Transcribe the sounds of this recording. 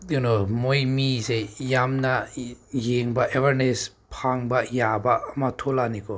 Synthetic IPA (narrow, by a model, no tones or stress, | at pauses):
junomojmizejamnajeŋbaʔevəɾnes | pʰaŋbajabaːmatʰolanikʰɔ